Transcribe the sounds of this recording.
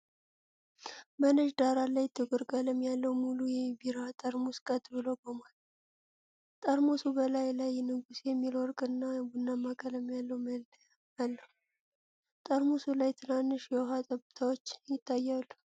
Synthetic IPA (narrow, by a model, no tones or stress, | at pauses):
mənəʒd̪aɾalajt̪ʰːɨɡʼɔɾkʼaləmjalːəwmulujɛbiɾat̪ʼəɾmuskʼət̪ʼbɨlowɡomal | t̪ʼəɾmusubəlajlajnɨɡusjɛmːilɔɾkʼɨnːabunːamːakʼələmjalːəwm | jalːə | t̪ʼəɾmusulajt̪ʰɨnanːɨʃjɛwɦat̪ʼəbɨt̪ʰawot͡ʃːjɪt̪ʰːajːalːu